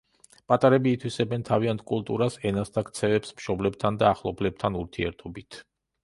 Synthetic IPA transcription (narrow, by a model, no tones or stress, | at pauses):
pʼat̪ʼaɾɛbiːt̪ʰwisɛbɛnt̪ʰaviant̪̚ʰkʼulˠt̪ʼuɾasɛnast̪ʰakt̪sʰɛvɛpsmʃɔblɛb̚t̪ʰand̪aːχlˠɔplɛb̚t̪ʰanuɾt̪ʰiɛɾt̪ʰɔbit̪ʰ